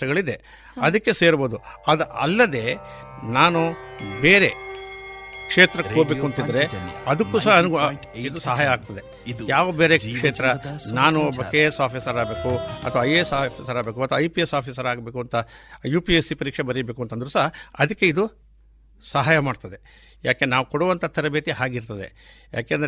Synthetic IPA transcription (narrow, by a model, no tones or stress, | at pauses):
ɐɡɐɭid̪e | ɐd̪ɐkːe̞seːɾbo̞ːd̪uɐd̪ɐʔɐ̰lːɐd̪e̞ːnaːnubeːɾe̞ | kʂeːt̪ɾɐkːobe̞ːkuɐnt̪id̪ɐɾe̞ɐd̪ɐkːusɐɦɐɐnuɡ | id̪usɐɦaːjɐaːɡ̚t̪ɐd̪e | jaːʋɐbeːɾekʂeːt̪ɾɐnaːnubɐkːesaːpʰisɐɾaːbeːkuɐ̰t̪ɐʋɐɐjesaːpʰisɐɾaːbeːkuɐt̪ʋɐɐjpiesaːpʰis̬ɐɾaːɡbe̞ːkuɐnt̪ɐjuːpiesipɐɾiːkʂebɐɾibeːkuɐnt̪ɐnd̪ɐɾusɐɦɐɐd̪ɐkːe̞id̪u | sɐɦaːjɐmaːɽt̪ɐd̪e | jaːkenaːʋukɔɽuʋɐnt̪ʰɐt̪ʰɐɾɐbet̪iɦaːɡiɾt̪ɐd̪e̞̰ja̰ːkeːnd̪ɐɾ